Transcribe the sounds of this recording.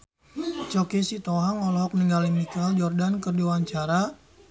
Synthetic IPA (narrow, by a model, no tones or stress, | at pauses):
t͡ʃɔkisit̪ɔɦaŋɔlɔɦɔk̚niŋɡalimikald͡ʒɔrdankərdiwaɲt͡ʃaɾa